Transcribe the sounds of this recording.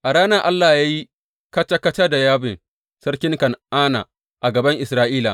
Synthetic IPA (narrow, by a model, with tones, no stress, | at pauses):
ʔa˨ɽaː˦na˦ʔa˦lːaː˨jaː˦ji˦ | kɐ˦t͡ʃa˦kɐ˦t͡ʃa˦da˨jaː˦bɪ˨ŋ | sɐ˦ɽkʲɪ˦ŋkɐ˨nʔaː˦na̰˨ | ʔa˨ɡɐ˨bɐ˦ŋʔɪ˨sɾaː˦ʔiː˦la̰˨